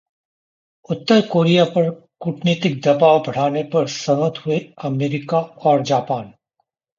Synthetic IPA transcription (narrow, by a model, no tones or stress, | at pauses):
ʊt̪ːəɾkoːɾijapɐɾ | kʊʈneːt̪ɪk̚d̪ɐpaːwbʱɐɽ̤aːnepɐɾsɐmət̪ɦʊeɐmeːɾɪkaɔːɾd͡ʒaːpaːn